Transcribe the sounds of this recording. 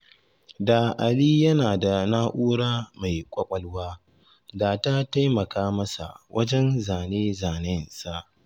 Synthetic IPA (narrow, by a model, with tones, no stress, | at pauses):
da˨ʔa˨liː˦jɐ˦naː˨da˨naː˦ʔuː˦ɽaː˦ma˨jkʷʼɐ˦kʷʼɐ˦lwaː˦ | daː˨ta˦ta˦jmɐ˨kaː˦mɐ˦sa̰˨wʔɐ˦d͡ʒɛ˦nzaː˨neː˦zaː˨nɪ˦nsa˨ʔ